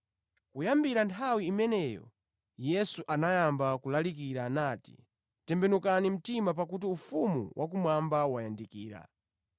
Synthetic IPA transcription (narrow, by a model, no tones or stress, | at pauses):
kujambiɾantʰawiːmɛnɛjɔ̰ | jɛsuʔanajambakulalikiɾanaːti̥̰ | tɛmbɛnukanim̩timap̬akut̬iufumṵwʔak̬umwambawajandikiːɾa̰